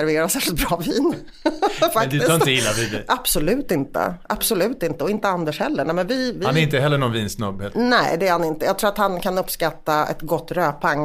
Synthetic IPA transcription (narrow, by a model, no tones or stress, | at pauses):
æɾveːɾasæːʂɪlt̪bɾɑːviːn | fak̪ɪsɪəjɪlːavid̪ɛʔab̥sɔlʉ̟ːt̪ɪnt̪ə̰ʔabsɔlʉ̟ːt̪ɪnt̪əɔɪnt̪əand̪əʂhɛlːəɳɛːmɛnvɪvɪanɛɾɪnt̪əɦɛlːəɳɔnviːnsnɵbhenɛ̰ɪd̪ɛæɾhanɪnt̪əjɑːɡt̪ʰɾuːat̪hankʰanɵpːskat̪ːaɛ̰t̪ɡɔt̪ːɾøːpʰaŋː